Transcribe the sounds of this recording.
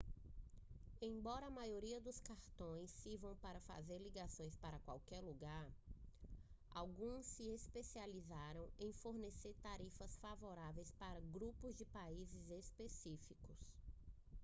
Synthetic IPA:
ẽj̃bɔɾɐːmajoɾiɐd̪ʊskaɾt̪õj̃sːiɾvɐ̃w̃paɾɐfa̰zeɾliɡasõj̃spaɾɐkwawkɛɾluɡaɾ | a̰wɡũsːɪespesializaɾɐ̃w̃ẽj̃foɾneseɾt̪aɾifɐsfavoɾavejspaɾɐɡɾupʊzd͡ʒɪpaizɪzespesifikʊs

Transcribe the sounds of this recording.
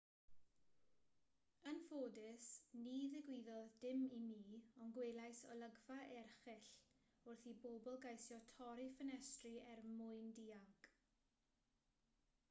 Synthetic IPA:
ənfoːdɪsniːðɪɡwɪðɔðdɪmimiːɔnɡweːlˠajsɔlˠəɡvaʔɛrχɛɬ | ʊrθiboːbɔlˠɡajsjɔtʰɔɾifənɛstriɛrmʊɨndiːaŋk

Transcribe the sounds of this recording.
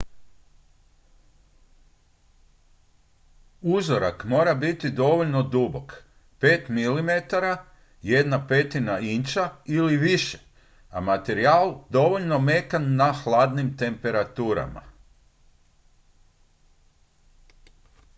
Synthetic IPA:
uzoɾa̰kmo̞ːɾabit̪id̪o̞ʋo̞ʎno̞d̪ubo̞k | pe̞ːt̪milimet̪aɾa | je̞d̪nape̞t̪inaint͡ʃailiʋiʃe̥ | a̰mat̪e̞ɾiaːld̪o̞ʋoʎno̞me̞kanːaxlaːd̪nimt̪e̞mpe̞ɾat̪uːɾa̰ma̰

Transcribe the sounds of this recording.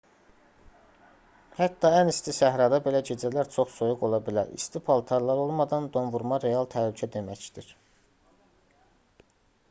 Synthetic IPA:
hæt̪ːɑænist̪ʰisæɦɾɑd̪ɑbe̞læɟe̞d͡ʒælæɾt͡ʃʰo̞χso̞juɡo̞lˠɑbilæ̰ɾḭst̪ʰipʰɑlˠt̪ʰɑɾlˠɑɾo̞lˠmɑd̪ɑnd̪o̞nvuɾmɑɾe̞jɑlˠt̪ʰælycʰæd̪e̞mæcd̪̥iɾ̥

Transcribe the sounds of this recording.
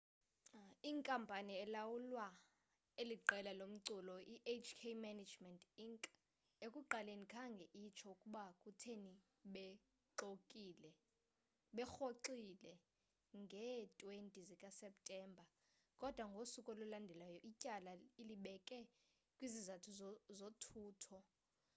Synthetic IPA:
iŋkʼampʼaniɛlawulwa | eliǃɛlalom̩ǀulɔiʔet͡ʃkʰemanad͡ʒmɛntʼiŋkʼ | ekʼuǃalenikʰaŋɡʱɛʔit͡ʃʰɔukʼuɓakʼutʰeni | ɓɛ | ǁokʼiːlɛ | ɓɛxoǃilɛ | ŋɡʱɛtʼwentʼizikʼasɛp̚tʼɛːmbʱa | kʼɔd̥ʱwaŋɡʱosukʼɔlɔlandʱɛlajɔʔicʼalailiɓɛkʼɛ | kʼwizizatʰuzzotʰuːtʰɔ

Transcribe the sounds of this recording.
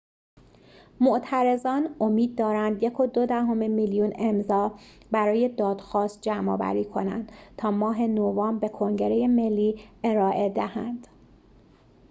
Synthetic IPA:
moʔt̪ʰæɾe̞zɒːno̞miːd̪̚ːɒːɾænd̪je̞kʰo̞d̪od̪æɦo̞memiljune̞mzɒː | bæɾɒːje̞d̪ɒːd̪̥xɒːst̪̚d͡ʒæmɒ̰ːvæ̰ɾiːkʰo̞næ̰nd̪̥t̪ʰɒːmɒːɦe̞novɒːmbe̞kʰo̞ŋɟe̞ɾeje̞me̞lːiːʔe̞ɾɒːʔe̞d̪ehæ̰nd̪̥

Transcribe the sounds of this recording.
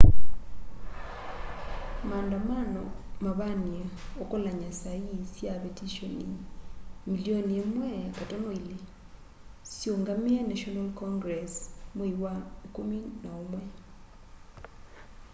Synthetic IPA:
mandamanɔmaβaniaokolaɲasaisjapetiʃoni | milioniemwɛakatonoile | sjoŋɡamianaʃɔnalkɔŋɡɾɛsmoiwakominaomwɛ

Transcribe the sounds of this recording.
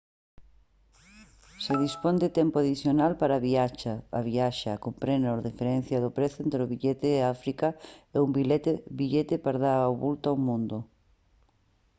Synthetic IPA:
seðispond̪et̪ɛmpʊaðiθjonalpaɾaβiat͡ʃa̰ːβiaʃakompɾenoɾðifeɾɛn̟θjaðʊpɾeθʊent̪ɾeʊβiʎet̪ɪːafɾikaeumbilet̪biʎet̪epaɾðaɾaoβult̪awmũnd̪ʊ

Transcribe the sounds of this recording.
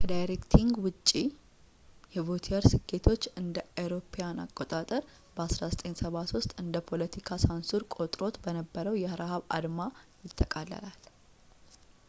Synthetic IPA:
kʰəd̪ajɾekt̪ʰiŋɡwʊt͡ʃʼːi | jɛvot̪ʰiəɾsɨɡe̞t̪ʰo̞t͡ʃːɨnd̪əawɾo̞pʰejana̰kʼːo̞t̪ʼat̪ʼəɾ | bəasɾazət̪ʼensəβat̪wʊst̪ʼɨnd̪əpʰo̞lət̪ʰikʰasansuɾkʼo̞t̪ʼɾo̞t̪bənəbːəɾəwjɛhəɾahaβa̰d̪majɪt̪ʰːəkʼalːə̰lal

